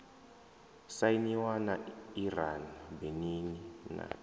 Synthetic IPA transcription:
sainiwanairanbeninina̰

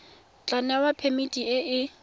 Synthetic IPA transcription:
t͡ɬʼanɛwapʰemitʼiɪʔɪ

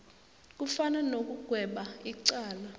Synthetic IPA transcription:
k̬ufananok̬uɡ̥ʱwɛɓaiǀaːla

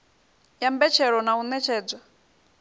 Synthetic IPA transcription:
jambɛt͡ʃʰɛɺɔnaunɛt͡ʃʰɛːd͡zʷa

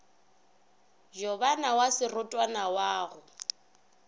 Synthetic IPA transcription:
d͡ʒɔβanawasɪrʊtʼwanawaːɣʊ

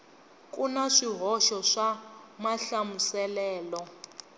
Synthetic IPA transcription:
kʼunaʂiɦɔʃɔʂamaɬamusɛlɛːlɔ

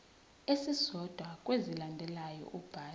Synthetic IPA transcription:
esisɔd̥ʱwakʼwezilandʱɛlajɔ̰ʔukb̥ʱaː

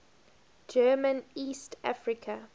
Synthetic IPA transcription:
d͡ʒɜːmə̃niːstʰa̰fɹɪkʰə

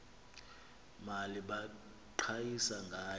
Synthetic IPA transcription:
maliɓa | ǃʰajisaŋɡʱaː

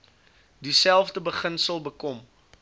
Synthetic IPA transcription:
disælˠfdəbəχənsəlˠbəkɔm

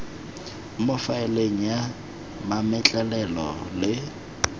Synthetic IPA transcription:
mʊfaɪleŋ̩ja | mamɛt͡ɬʼɛlɛlɔ̰lɪ

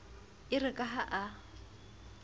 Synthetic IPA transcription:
ɪrɪkʼaɦaʔa

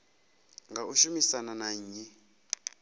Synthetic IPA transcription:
ŋɡauʃumisananaɲ̩ːɲi

